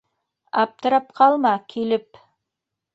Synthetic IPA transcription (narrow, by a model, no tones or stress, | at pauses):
ɑ̰p̚t̪ɤ̆ɾɑp̚qʰɑlˠmɑkʰilɘp